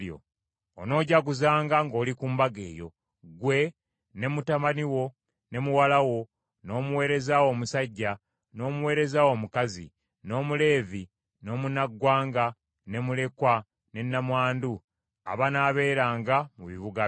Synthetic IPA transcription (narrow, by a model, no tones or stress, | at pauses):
jo̰ː | no̞ːɟaɡuzaːŋɡaŋɡo̞ːlikuːmbaɡe̞̰ːjo̞̰ | ɡwe̞ | ne̞mutamaniwo̞ | ne̞muwalawo̞ | no̞ːmuwe̞ːɾe̞zawomusaɟːa | no̞ːmuwe̞ːɾe̞zawo̞ːmukazḭ | no̞ːmule̞ːvi | no̞ːmunaɡːwaːŋɡa | ne̞mule̞kwa | ne̞nːamwaːndu | a̰βanaːβe̞ːɾaːŋɡamuβiβuɡa